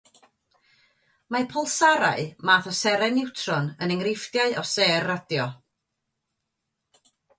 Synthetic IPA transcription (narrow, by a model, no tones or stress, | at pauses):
mapʰɔlˠsaɾa̰ɨmaːθɔsɛɾɛnɪwtʰrɔnənɛŋrɪfdjaɨʔɔseːrːadjɔ